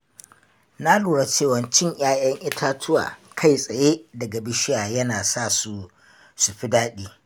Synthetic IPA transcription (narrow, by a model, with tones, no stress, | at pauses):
na˦luː˨ɽa˦t͡ʃeː˦˨wɐ˨˦nt͡ʃɪ˦ɲj̰aː˦jɐ˦ŋʔɪ˦tʰa˦tʰʊ˦wa̰ː˨kʰa˦˨jsʼɐ˨jeː˦dɐ˨ɡa˨bɪ˦ʃɪ˦jaː˨jɐ˦naː˨saː˦˨su˦ | su˨ɸi˦daː˦ɗiː˦